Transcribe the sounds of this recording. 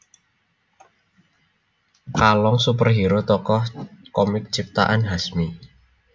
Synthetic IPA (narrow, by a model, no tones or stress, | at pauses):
kalɔŋsupərɦiɾʊt̪ɔkɔhkɔmɪk̚t͡ʃip̚t̪a̰ʔanɦasmi